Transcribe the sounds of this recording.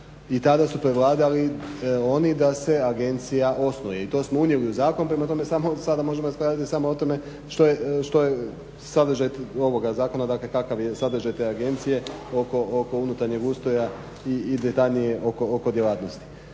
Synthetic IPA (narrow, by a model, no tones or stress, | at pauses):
it̪ad̪asupɾe̞ʋlˠaːd̪alio̞nid̪ase̞aɡe̞nt̪sijaʔo̞snojeit̪o̞ːsmounjeliuzaːko̞nupɾe̞mat̪o̞me̞samo̞sad̪amo̞ʒe̞moaspɾaːd̪at̪isamoot̪o̞me̞ | ʃt̪o̞jeʃt̪o̞je | sad̪ɾ̩ʒajt̪o̞ʋo̞ɡazaːko̞nad̪aːkle̞kakaʋje̞sad̪ɾ̩ʒajt̪e̞aɡe̞nt̪sije̞o̞ko̞ʔoko̞unut̪aɾɲeɡuːst̪o̞ja | iːd̪et̪aʎnije̞ʔo̞ko̞oko̞d̪jelaːt̪no̞st̪i̥